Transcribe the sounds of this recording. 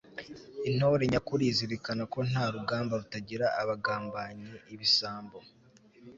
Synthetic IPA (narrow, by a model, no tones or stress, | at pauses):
in̥oːɾeɲakuɾiːziɾikanako̞n̥haːɾuɡaːmbaɾutaɟiɾaːβaɡaːmbaɲeʔiβisaːmbo̞